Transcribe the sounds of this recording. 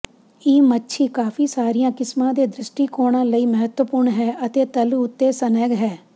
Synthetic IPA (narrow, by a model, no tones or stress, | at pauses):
iːmətːʃʰiːkaːfʰiːsaːɾijãːkɪsmãːd̪eːd̪ɾɪsʈiːkoːɽãːləiːməɦət̪wəpʊɾɳɦɛːʔət̪eːt̪əluʊt̪ːeːsənɛːɡɦɛː